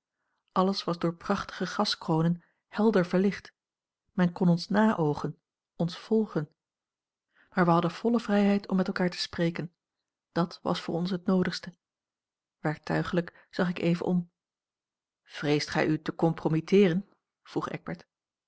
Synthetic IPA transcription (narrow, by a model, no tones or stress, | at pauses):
ʔɑləsʋɑzdʊːɹprɑχtə̥χəχɑskrownən | hɛlˠdəɹvəɹlɪχt | mɛnkɔnɔnsnaːʔowχən | ɔnsfɔlˠχən | maːɹʋəɦɑdənv̥ɔləvrɛjɦɛjtʰɔmːɛtɛlˠkaːɹtə̥sprejkən | d̥ɑtʋɑ̰sfʊːɹɔnsɦətnowdəχstə | ʋɛɹk̚tœɥχələk | z̥ɑχɪkejvə̰nʔɔ̰m | v̥rejstχɛ̰jytəkɔmpromitɪːrən | v̥ruχɛ̰ɡ̚bɛɹt